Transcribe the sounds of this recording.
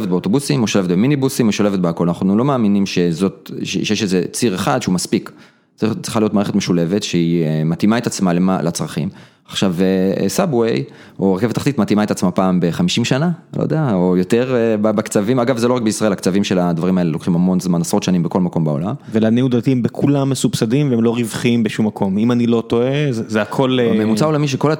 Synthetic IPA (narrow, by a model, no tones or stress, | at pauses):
evet̪̚beot̪o̞busimoʃolevt̪beminibusimoʃolevet̚beako̞lanaχnulo̞maːminimʃe̞zo̞t̚eʃejeʃezet͡siʁeχad̪ʃeumaspik | it͡siχalijotmaːʁeχetmeʃule̞ve̞tʃeiemat̪imaet̪at͡smalemalʔat͡sʁaχḭm | aχʃavesabwej | oeʁkevet̪ːaχt̪it̪mat̪imaet̪at͡smapaːmbe̞χamiʃimʃanao̰jd̪eaojo̞t̪eʁbabakt͡savimaɡavzelo̞ʁak̚beisʁaelakt͡savimʃelad̪vaʁimae̞lelokχimhamo̞nzmanasʁo̞t̪ʃanimbeko̞lmako̞mbao̞̰la̰mvelaniud̪at̪imbekʰulamːesubsadimveemlo̞ʁivχimbeʃumːakʰo̞mimanilo̞t̪o̞ezzeakʰo̞lmemut͡saolamiʃ̬eko̞la